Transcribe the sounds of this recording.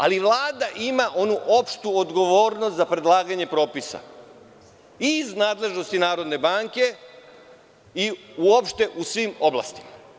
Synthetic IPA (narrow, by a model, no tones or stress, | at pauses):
a̰liʋlˠaːd̪aʔimaʔo̞nuʔo̞pʃt̪uod̪ɡo̞ʋo̞ːɾnost̪zapɾed̪lˠaːɡaɲe̞pɾo̞ːpisa̰ | iznaːd̪le̞ʒno̞st̪inaːɾo̞d̪ne̞baːŋke̞ | iuo̞pʃt̪e̞ʔusʋimo̞blˠa̰st̪i̥ma